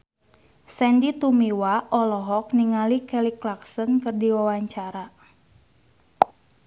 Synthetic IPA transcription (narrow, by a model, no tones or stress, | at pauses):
sɛndit̪umiwaʔɔlɔɦɔk̚niŋalikɛliklaksɔnkɨrdiwawaɲt͡ʃaɾa